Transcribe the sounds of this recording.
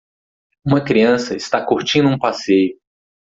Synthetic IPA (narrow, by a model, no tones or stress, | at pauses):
ũmɐkɾiɐ̃sɐɪst̪akoɾt͡ʃĩnd̪ʊũpasejʊ